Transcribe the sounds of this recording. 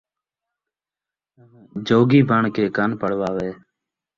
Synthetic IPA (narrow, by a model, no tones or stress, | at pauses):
d͡ʒoːɡiːbʱəɳkeːkənpəɽ̤ʋaːʋeː